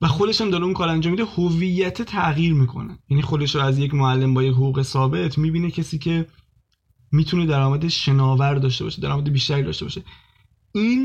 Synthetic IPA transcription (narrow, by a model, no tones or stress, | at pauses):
væxo̞d̪e̞ʃæmd̪ɒːɾeunkʰɒːɾænd͡ʒɔːmːid̪ehovijːæt̪ʰet̪ʰæʔɣjiːɾmiːkʰo̞̰nejæniːxo̞d̪e̞ʃɾɔæzjecmoælːe̞mbɒːjecɦoɣuːɣe̞sɒːbe̞t̪ʰmiːbiːnecʰesiːcʰe̞ | miːt̪ʰune̞d̪æɾɒːmæd̪eʃe̞nɒːvæɾd̪ɒːʃt̪e̞bɒ̰ːʃed̪æɾɒ̰ːmæd̪e̞biːʃt̪æɾiːd̪ɒ̰ːʃt̪ebɒːʃe̞ | iːn